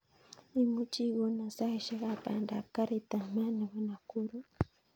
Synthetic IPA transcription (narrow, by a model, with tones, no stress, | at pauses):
i˦mu˦t͡ʃi˦wo˦na˨sa˦hi˨ʃa˦βa˦pa̰˨nda˨ka˦ɾi˨ta˨ma˦ni˨βa˨na˨ku˦ɾu˦